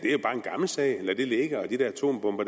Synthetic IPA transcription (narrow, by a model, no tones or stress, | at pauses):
d̥e̝æjo̝b̥ɑ̈ːe̝nɡ̥ɑ̈ml̩sɛ̰ɪelɐd̥e̝le̝ɡ̥ɐɒ̽d̥id̥ɛɐæt͡sʰo̝̰ːmb̥ɔ̽mb̥ɐ̥